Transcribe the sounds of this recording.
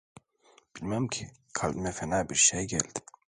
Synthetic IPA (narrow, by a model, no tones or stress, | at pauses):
b̥ilʲmæmcʰi | kʰalʲd̪mɛfɛnaːbiɾʃejɟæ̰lʲd̪̥ɪ̥